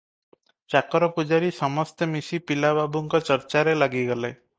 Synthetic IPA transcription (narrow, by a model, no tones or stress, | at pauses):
t͡ʃakɔɾɔpud͡ʒaɾisɔmɔst̪emisipilababuŋkɔt͡ʃəɾt͡ʃaɾelaɡiɡɔle